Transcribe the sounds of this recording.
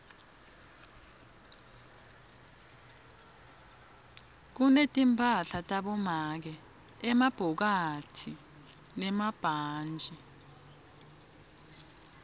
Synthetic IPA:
k̬unetʼimpʼaɬatʼaɓɔmak̬ɛ | ɛmab̥ʱɔk̬atʰi | nɛmab̥ʱaːnd͡ʒʱɛ

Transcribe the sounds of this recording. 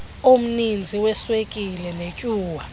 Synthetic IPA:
om̩nind͡zʱiwɛswekʼilɛnecʼuːwa

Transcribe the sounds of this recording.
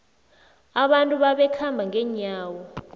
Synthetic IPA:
aɓantʼuɓaɓɛkʰambʱaŋɛɲaːwɔ

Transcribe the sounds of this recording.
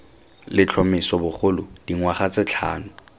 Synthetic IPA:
lɪt͡ɬʰɔmɪsɔbʊχʰʊlʊd̥iŋwaχat͡sɪt͡ɬʰa̰ːnʊ

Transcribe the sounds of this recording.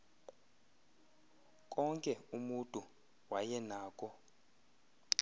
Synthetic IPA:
kʼɔŋkʼɛumutʼu | wajɛnaːkʼɔ

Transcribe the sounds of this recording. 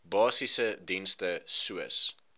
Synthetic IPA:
bɑːsisədinstəsuə̰s

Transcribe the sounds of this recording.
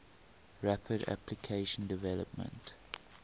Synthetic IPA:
ɹapʰəda̰pʰlikʰeɪʃə̃ndɪvɛləp̚mə̰̃nt

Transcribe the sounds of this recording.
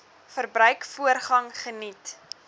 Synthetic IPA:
fərbɾœɥkfuərχɐŋχənit

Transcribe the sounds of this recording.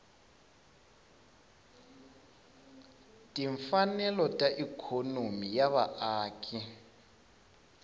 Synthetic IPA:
tʼiɱfanɛlɔtʼaʔikʰonomijaβa̰ʔaːkʼi

